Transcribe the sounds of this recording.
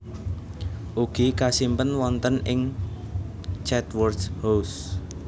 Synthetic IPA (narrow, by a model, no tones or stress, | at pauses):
ʔuɡ̥ikasimpənwɔnt̪ənɪŋ | t͡ʃɛt̪wɔrdhos